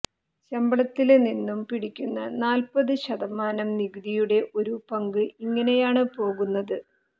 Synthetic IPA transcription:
t͡ɕɐmbɐɭɐt̪ːilninːumpiɽikʲːunːɐnaːlpɐðɨɕɐðɐmaːnɐmniɡɨðijuɽe̞ʔo̞ɾupɐŋɡɨiŋːɐne̞jaːɳɨpo̞ːɣunːɐðɨ

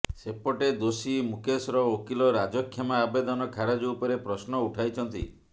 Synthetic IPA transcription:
sepɔʈed̪osimukʰesɾɔokilɔɾad͡ʒɔkʰːemaːbed̪ɔnɔkʰaɾad͡ʒupɔɾepɾɔsnɔuʈʰajt͡ʃʰɔnt̪ḭ

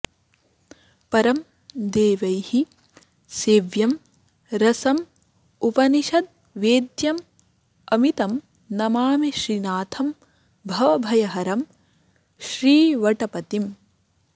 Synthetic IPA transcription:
pɐɾɐm | d̪eːʋɐjhi | seːʋjɐm | ɾɐsɐm | upɐniʃɐd̪̚ | ʋeːd̪jɐm | ɐmit̪ɐm | nɐmaːmiʃɾinaːt̪ʰɐm | bʱɐʋɐbʱɐjɐɦɐɾɐm | ʃɾiːʋɐʈɐpɐt̪im

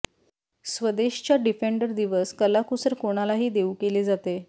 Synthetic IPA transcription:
sʋəd̪eɕt͡ɕjaɖifeɳɖəɾd̪iʋəskəlakusəɾkoɽ̃alaɦiːd̪eukeled͡zat̪e

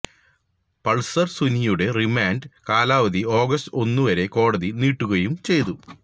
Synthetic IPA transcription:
pɐɭsɐrsunijuɽe̞rimaːnɖkaːlaːʋɐðio̞ːɡɐstɨo̞nːuʋɐɾe̞ko̞ːɽɐðiniːʈːuɣɐjumt͡ɕe̞jt̪u

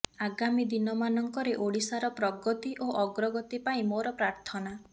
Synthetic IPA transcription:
aɡamid̪inɔmanɔŋkɔɾeʔoɽisaɾɔpɾɔɡɔt̪iʔoʔɔɡɾɔɡɔt̪ipaĩmoɾɔpɾaɾt̪ʰɔna

